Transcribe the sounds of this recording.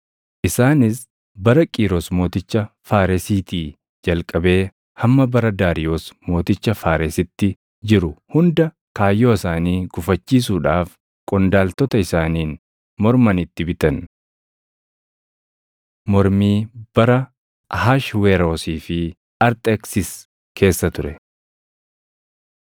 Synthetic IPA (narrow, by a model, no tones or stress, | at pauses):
ʔɪsaːnɪs | bɐɾɐkʼiːɾoːsmo̞ːt̪ɪt͡ʃːɐfaːɾɛsiːt̪iː | d͡ʒɐlkʼɐbe̞ː | hɐmːɐbɐɾɐd̪aːɾɪjo̞ːsmo̞ːt̪ɪt͡ʃːɐfaːɾesɪt̪ːɪ | d͡ʒɪɾʊhʊnd̪ɐ | kaːjːo̞ːɪsaːniːɡ̥ʊfɐt͡ʃːiːs̬uːᶑaːf | kʼɔnd̪aːlt̪ɔt̪ɐɪsaːniːn | mɔɾmɐnɪt̪ːɪbɪt̪ɐn | mɔɾmiːb̥ɐɾɐ | haːʃweɾo̞ːsiːfɪ | ɐɾt̪ʼɛksɪs | kʰe̞ːsːɐt̪ʊɾɛ